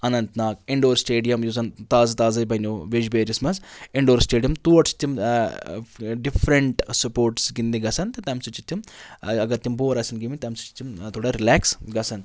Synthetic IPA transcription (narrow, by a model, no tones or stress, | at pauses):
ɐnɐnt̪naːk̚iɳɖoːɾsʈeːɖijɐmjuzɐnt̪aːzɐt̪aːzɐjbɐnoːʋid͡ʒbeːɾismɐnziɳɖoːɾsʈeːɖijɐmt̪uːɐʈsi̥t̪ːim | ɖifʰɾɐɳʈsɐpoːɾʈsɡind̪iɡɐsɐnt̪ɐt̪ɐmsut͡ʃit̪ːimɐɡɐɾt̪ːimboːɾɐsɐnɡimit̪ɐmsu̥t͡ʃi̥t̪imt̪ʰoːɽaɾilæːksɡɐsɐn